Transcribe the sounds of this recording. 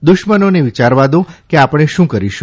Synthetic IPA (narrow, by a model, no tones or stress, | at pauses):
d̪ʊʃmənoneʋit͡ʃaɾʋad̪ũkeapəɽ̃eʃũkəɾiʃũ